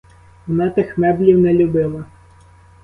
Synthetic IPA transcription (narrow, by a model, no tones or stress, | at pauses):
nɛt̪ɪxmɛblʲiwnɛlʲʊbɪlˠɐ